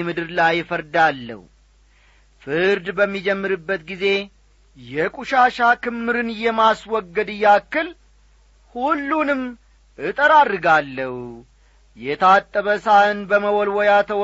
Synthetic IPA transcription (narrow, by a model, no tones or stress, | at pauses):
mɨd̪ɨɾlajːfəɾd̪alːə̰hu | fɨɾd̪bəmːid͡ʒɛmːɨɾɨbːət̪ɡize̞ | jɛkʼuʃaʃakɨmːɨɾɨnɨjːɛmaswɔɡːəd̪ɨjːakːɨl | hulːunɨm | ʔɨt̪ʼəɾadɨɡalːəh | jɛt̪ʰat̪ʼːəβəsaɨnbəməwɔlwɔjat̪ʰəw